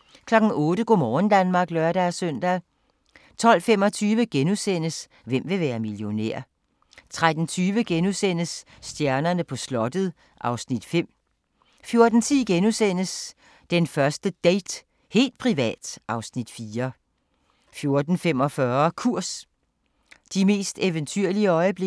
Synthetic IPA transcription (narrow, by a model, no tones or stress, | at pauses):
kʰlɒ̽ɡ̥n̩ɔ̽ːɾəɡ̥omɒːn̩d̥ænmɑ̈ːɡ̥lœɐɾ̥ææsœn̰d̥æ | t͡sʰɒ̽l̰fem̰ɒ̽t͡sʰyːʋəɡ̥enusen̰əs | ʋem̰ʋe̝ʋæːɐmiljo̝nḛɐ̰ | t͡sʰʁad̥n̩t͡sʰyːʋəɡ̥enusen̰əsː | d̥jæɐnɐnəpʰɒ̽slɒ̽d̥əð̩ˠ | ʔɑ̈ʊsnid̥fem̰ | fjo̝ɐd̥n̩t͡sʰiɡ̥enusen̰əs | d̥enfɶɐsd̥əd̥eɪd̥ | he̝̰ːld̥̚pʰʁiʋɛ̰ːd̥ʔɑ̈ʊsnid̥fiːɐ | fjo̝ɐd̥n̩fem̰ɒ̽fɶɐkʰuɐ̰s | d̥ime̝̰ːsd̥eʋənt͡sʰyɐ̰liəɒ̽ɪəb̥le